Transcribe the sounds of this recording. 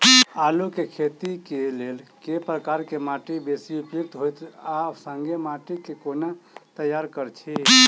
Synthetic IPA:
alukekʰet̪ikelelkepɾəkaɾkemaʈibesiupjok̚t̪ɦojt̪ʰasəŋɡemaʈikekonat̪əjaɾkəɾt͡ʃʰi

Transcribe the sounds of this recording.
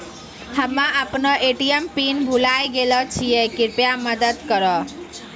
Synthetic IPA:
həmːaʔəpnɔʔeʈijempinbʱulajɡelɔt͡ʃʰijɛkiɾpjaməd̪əd̪kəɾɔ

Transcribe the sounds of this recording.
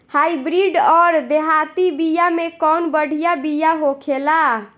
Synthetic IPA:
hajbɾiɖɔɾd̪eɦat̪ibijamekɔnbəɽ̤ʱijabijaɦokʰela

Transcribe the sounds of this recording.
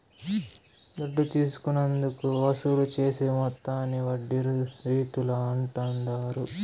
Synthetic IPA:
d̪ɐɖːut̪iːsu̥kunɐnd̪ukuʋɐsulut͡ʃeːsemɔt̪ːaːnːiʋɐɖːiɾuɾiːt̪ulɐɐɳʈɐnd̪aːɾu

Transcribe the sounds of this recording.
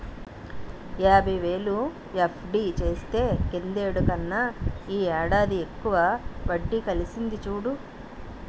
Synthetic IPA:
jaːbʱɐjʋe̞ːlu | epʰɖiːt͡ʃe̞ːst̪e̞ːkend̪eːɽukɐnːaiːɛːɽaːd̪iekːuʋaʋɐɖːikɐlisind̪it͡ʃuːɽu

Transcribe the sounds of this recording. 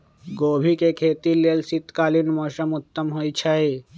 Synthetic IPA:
ɡoːbʱikekʰeːt̪ileːlsit̪kaːlinmoːsəmʊt̪ːəmɦojt͡ʃʰəe

